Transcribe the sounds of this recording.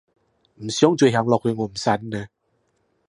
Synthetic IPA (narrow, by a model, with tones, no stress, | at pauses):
m̩˨˩sjɔ˦ŋt͡swe˧˩ɦja˨˧ŋlɔ˧k̚ʰhwe˧ŋo˨˩˨m̩˨sa˧˥nnə˧˦